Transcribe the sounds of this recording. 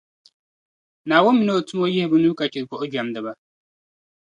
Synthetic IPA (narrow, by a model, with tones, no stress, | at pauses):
na˨wo˦mĩ˨no˦o˨tʰu˦m˦o˦jɪ˦hbʊ˦nũ˦ka˨t͡ʃi˨kʷɔ˨ʔo˦d͡ʒᶣa˨mdə˨ba˦